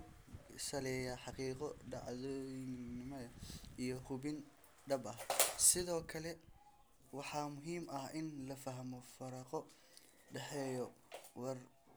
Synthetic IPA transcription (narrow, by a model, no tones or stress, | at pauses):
sɐlɛːjaħɑqiːqɔɖɑʕðɔjnɪmɔɐijɔhʊbɪn | ɖɐbɐhsɪðɔːkʰɐlɛ | wɑħɑːmʊɦiːmɐhʔɪnlɐfɐɦɐmɔfɐɾɐqɔ | ɖɛħɛjɔwɑr